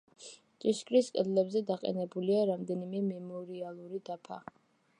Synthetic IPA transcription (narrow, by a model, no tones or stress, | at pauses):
t͡ʃʼiʃkʼɾiskʼɛd̪lɛbzɛd̪aqʼɛ̰nɛbuliaɾamd̪ɛnimɛmɛmɔɾialˠuɾid̪apʰa̰